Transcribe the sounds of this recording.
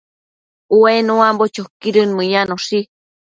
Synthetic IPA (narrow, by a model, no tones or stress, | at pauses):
uenũãmbot͡ʃokiɾɨnmɨ̃ɲanoʂi